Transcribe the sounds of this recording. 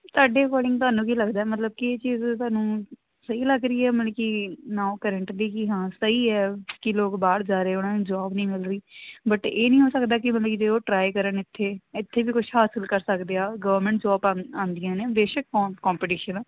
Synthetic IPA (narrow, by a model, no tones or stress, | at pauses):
t̪ʊaːɖeːkɔːlɪ̃ŋɡt̪ʊaːnũːkiːləɡd̪aːɛːmət̪ləb̚kieːt͡ʃiːzt̪ʊaːnũː | səiːləɡɾəiːɛːməlːkinaːokəɾəɳʈliːkiɦãːsəiːɛːkɪloːkbaːɽd͡ʒaːɾeːʊnãːnũːd͡ʒɔːbnĩːmɪlɾəiːbəʈeːnĩːɦoːsəkd̪aːkɪmət̪lːkid͡ʒeːoːʈɾaːikəɾənɪt̪ʰːeːɪt̪ʰːeːbiːkʊʃʰɦaːsəlkəɾsəkd̪eːaːɡəʋəɾmə̃ɳʈd͡ʒɔːbãːãːnd̪ijãːneːbeːʃəkːkɔ̃ːmpɪʈiːʃənː